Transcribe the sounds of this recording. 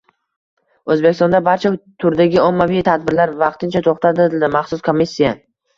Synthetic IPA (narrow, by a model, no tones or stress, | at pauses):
ɵzbekʲʰɪst̪ɔnd̪abaɾt͡ʃʰat̪ʰʊɾd̪aɡʲɪɒmːavɪjt̪ʰad̪̚bɪɾlaɾvɑqt̪ʰɪnt͡ʃʰat̪ʰoχt̪ʰat̪ɪɪld̪ɪmaχsʊskʰomːisʲːija